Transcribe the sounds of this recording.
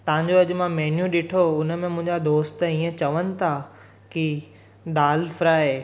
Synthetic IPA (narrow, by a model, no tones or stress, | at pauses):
t̪ɐʋ̤ãɲd͡ʑoɐʄʊ̆mãmɛːnjũɗɪʈʰoʊnə̆mẽmʊ̃ɦɪ̃ɲd͡ʑad̪oːst̪ĩːə̃t͡ɕɐʋənɪ̆t̪ʰa | ki | d̪aːlfɾaːɦeː